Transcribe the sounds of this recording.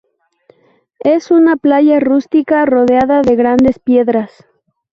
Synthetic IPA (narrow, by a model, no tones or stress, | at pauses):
e̞sunaplaʝarust̪ikaro̞ðeaðaðe̞ɣɾand̪e̞spje̞ðɾas